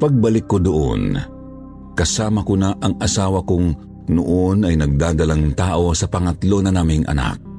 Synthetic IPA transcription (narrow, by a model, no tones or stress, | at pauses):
pɐɡ̚bɐlɪkːod̪oʔo̰n | kɐsaːmɐkonaʔɐŋʔɐsaːwɐkʊŋ | nʊʔonɐjnɐɡ̚d̪aːd̪ɐlaŋt̪aːʔo̞sɐpɐŋɐt̪lo̞nɐnaːmɪŋʔɐ̰na̰k̚